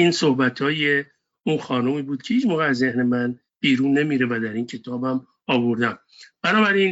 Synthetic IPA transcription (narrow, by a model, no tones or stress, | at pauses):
iːnsohbæt̪ʰhɒːje | uːnxɒːnumiːbuːd̪̥̚cʰehiːd͡ʒmoːɣeæzːehnemæn | b̥iːɾuːnːe̞miːɾevæd̪æɾiːncʰe̞t̪ʰɒːbæm | ɒːboɾd̪æm | b̥ænɒːbæɾin